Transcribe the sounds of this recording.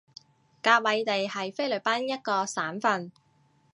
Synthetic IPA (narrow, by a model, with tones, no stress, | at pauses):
kaː˧wɐ˨˧jt̪e˨jhɐ˨jfe˥jlɵ˨˩paː˥njɐ˥t̚kɔː˧saː˨˥nfɐ˧n